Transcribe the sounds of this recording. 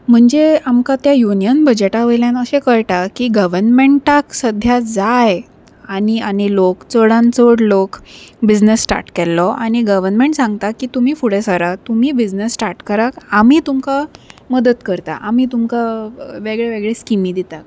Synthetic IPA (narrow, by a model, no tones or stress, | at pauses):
m̤əɳd͡zeamkat̪jajunijənbəd͡ʑeʈaʋəjljãnəɕekəɭʈakiːɡəʋəɾnmeɳʈaksəd̪ʱjad͡zaj | aniañilokt͡səɽãnt͡səɽlokbid͡znəsːʈa̰ɾʈkɛlːɔaɽ̃iɡəʋəɾnmeɳʈsãŋɡ̚t̪akiːt̪um̤iːfuɽesaɾat̪um̤iːbid͡ʑnəsːʈaɾʈkəɾakamiːt̪umkaməd̪ət̪kəɾt̪a̰ʔamiːt̪umkaʋeɡɭeʋeɡɭeskimiːd̪it̪ak̚